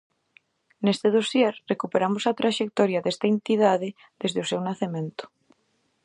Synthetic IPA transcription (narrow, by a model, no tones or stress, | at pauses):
nest̪eðosjeɾrekupeɾamosat̪ɾaʃek̚t̪ɔɾjaðest̪aent̪iðaðe | ðezðeosewnaθemẽnt̪o̥